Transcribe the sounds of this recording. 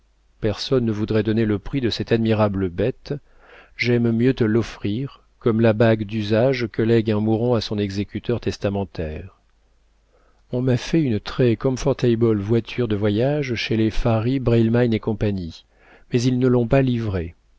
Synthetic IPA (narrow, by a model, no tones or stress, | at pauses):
pɛʁsɔnːəvud̪ʁɛd̪ɔneləpχid̪əsɛt̪ad̪miʁabləbɛt̪ | ʒɛmmjøt̪əlːɔfχiʁ | kɔmlabaɡd̪yzaʒkəlɛɡɛ̃muʁɔ̃asɔ̃nɛɡzekʲyt̪œʁt̪ɛst̪amɑ̃t̪ɛːʁ | ɔ̃mafɛynt̪χɛkɔmfɔʁt̪ajbɔlvwat̪ʰyʁd̪əvwajaʒʃelefaʁibʁɛlmajnekɔ̃paɲi | mɛzilnəlɔ̃palivʁe